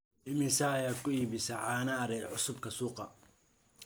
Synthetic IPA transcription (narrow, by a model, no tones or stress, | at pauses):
ʔɪmɪsɐːjaːd̪̚kʰʊiːβɪsɐʕɑːnɐːɾɛːd̪ʕʊsʊbkʰɐsuːqɑ